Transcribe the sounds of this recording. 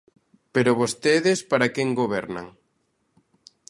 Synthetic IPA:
peɾoβost̪eðɪspaɾakeŋɡoβ̞ɛɾna̰ŋ

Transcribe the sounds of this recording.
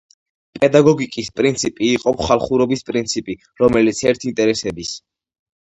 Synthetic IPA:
pʼɛd̪aɡɔɡikʼispʼɾint̪sʰipʼiːqʼɔpʰχalˠχuɾɔbispʼɾint̪sʰipʼi | ɾɔmɛlit̪sʰɛɾt̪ʰint̪ʼɛɾɛsɛbis

